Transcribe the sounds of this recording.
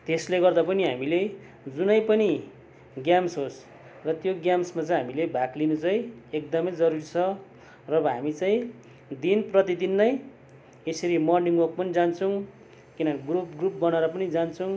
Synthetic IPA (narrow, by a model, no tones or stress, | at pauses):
t̪esleɡʌrd̪apʌniɦamile | d͡zunʌjpʌni | ɡjamsɦos | rʌt̪joɡjamsmat͡saĩɦamilebʱaklinut͡saj̃ek̚d̪ʌmʌjd͡zʌɾuɾit͡sʰʌ | rʌbʌɦamit͡saĩ | d̪inprʌt̪id̪inːʌj | esʌɾimʌrniŋɡwʌk̚pʌnid͡zant͡sʰʌ̃ | kinʌnɡrup̚ɡrup̚bʌnaɾʌpʌnid͡zant͡sʰũ